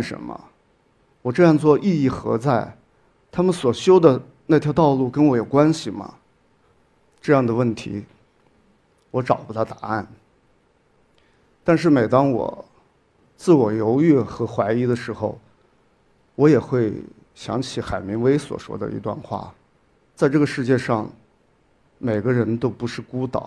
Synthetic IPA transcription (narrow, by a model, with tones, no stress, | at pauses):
ʂə̰˧˥nmə̰˧ | wɔ˨˩ʈ͡ʂɤ˥˧jɑ˥˧ŋt͡swɔ˥˧ʔi˥˧i˥˩xɤ̰˧˥t͡sa˥˩ɪ | t̪ʰa˥mə˨nswɔ˨˩ɕjo˥ʊd̪ə˨ | na˥˩t̪jɑ˥t̪ɑ˥˧ʊlu˥˩kə˥nwɔ˧˥jo˨˩ʊkwa˥nɕi˨mɐ̰˩ | ʈ͡ʂɤ˥˧jɑ˥˩ŋd̪ə˩wə˥˩nt̪ʰḭ˧˥ | wɔ˧˥ʈ͡ʂɑ˨˩ʊpu˥t̪ʰa˥˩t̪a˧˥a̰˥˩n | t̪a˥˧nʂ̬ɻ̩˥˩me˨˩ɪt̪ɑ˥ŋwɔ̰˨˩˦ | t͡sɹ̩˥˩wɔ˨˩jo˧˥ʊy˥˩xɤ˧˥xwa˧˥ɪi˧˥d̪ə˧ʂɻ̩˧˥xo˧ʊ | wɔ˧˥jɛ˨˩xwe˥˩ɪ | ɕjɑ̰˧˥ŋt͡ɕʰi˨˥xa˨˩ɪmi˧˥ŋwe˧˥ɪswɔ̰˨˩ʂwɔ̰˥d̪ə̰˧ḭ˧˥t̪wa̰˥˧nxwa̰˥˩ | t͡sa˥˧ɪʈ͡ʂɤ˥˩ɡə˩ʂɻ̩˥˧t͡ɕjɛ˥˧ʂɑ̰˥˩ŋ | me˨˩ɪɡə˦ɻə˧˥nt̪o˥ʊpu˧˥ʂɻ̩˥˩ku˥t̪ɑ̰˨˩˦